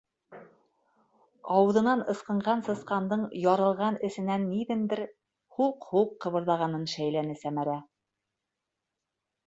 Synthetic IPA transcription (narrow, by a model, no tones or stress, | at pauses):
ɑwɤ̆ðɤ̆nɑnɤ̆sqɤ̆ɴɢɑnsɤ̆sqɑnd̪ɤɴjɑɾɤ̆lˠʁɑnɘ̆sɘ̆nænːiðɘnd̪ɘɾ | huqhuqːɤ̆βɤ̆ɾðɑʁɑnɤnʃæjlænɘsæmæɾæ